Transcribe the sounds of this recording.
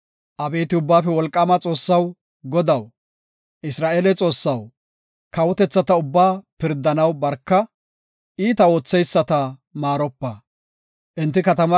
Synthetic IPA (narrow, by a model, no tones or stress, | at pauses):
ʔɐbeːt̪ɪʊbːaːfɛwɔlkʼːɐmɐt͡sʼo̞ːsːɐw | ɡɔd̪ɐw | ʔɪsɾaːʔeːlɛt͡sʼo̞ːsːɐw | kɐwɔt̪ɛt͡sːɐt̪ɐʊbːaːpɪɾd̪ːɐnɐwbɐɾkːɐ | ʔiːt̪ɐo̞ːt͡sːɛjsːɐt̪ɐmaːɾɔpːɐ | ʔɪnt̪ːɪkɐt̪ɐmɐ